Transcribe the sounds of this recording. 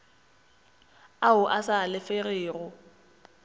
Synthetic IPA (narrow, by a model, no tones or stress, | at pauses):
aʊʔasalɪfereːrʊ